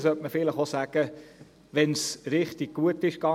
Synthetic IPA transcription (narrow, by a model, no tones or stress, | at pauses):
sœtməfɪləχosæːɡ̥ə | ʋɛnsɾɪχtiɡ̥̚ɡuətɪʃkɑ